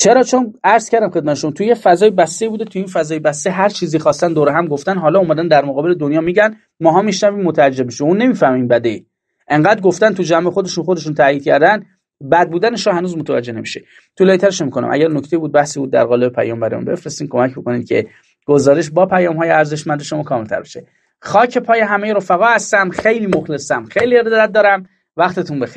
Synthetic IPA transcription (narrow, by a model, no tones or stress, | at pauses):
t͡ʃʰe̞ɾɒːt͡ʃʰonæɾz̥cʰæɾd̪æmxe̞d̪mæt̪ʰeʃo̞mɑːt̪ʰujefæzɒːjebæst̪eibuːd̪et̪ʰuinfæzɒːjebæst̪eɦæɾt͡ʃʰiːziːxɒːst̪ænd̪oːɾeɦæmɡoft̪ænɦɒːlɒːumæd̪ænd̪æɾmoɣɒːbeled̪onjɒːmiɟæn | mɒːɦɒːmiʃnæviːmːot̪ʰææd͡ʒːebmiʃeuːnːe̞miːfæhmiːmbæd̪ei | ʔe̞ŋɢæːd̪ɾɡoft̪ænt̪ʰud͡ʒæmexod̪e̞ʃunxod̪e̞ʃ̬unt̪ʰæjiːd̪̥̚cʰæɾd̪æn | bæd̪̚buːd̪æneʃɒːhænuːzmot̪ʰævæ̰d͡ʒːene̞miʃe | t̪ʰuleit̪ʰæɾeʃnemiːkʰo̞næ̰mʔæ̰ɟæɾnokcʰt̪eibuːd̪̚bæhsiːbuːd̪̚ːæ̰ɾɣɒːlebepʰæ̰jɒːmbæɾḭṵnbe̞̰fɾest̪iːmkʰo̞mæcboko̞niːd̪̥̚cʰe̞̰ | ɡ̥ozɒːɾeʃ̬bɒːpʰæjɒːmhɒːjeæɾze̞ʃmænd̪eʃomɒːkʰɒːmelt̪ʰæ̰ɾbeʃe | xɒːcʰe̞pʰɒːjeɦæmejeɾo̞fæɣɒːhæst̪æmxejliːmoxlesæmxejliːeɾed̪d̪æt̪̚d̪ɒːɾæm | væxt̪ʰet̪ʰunbex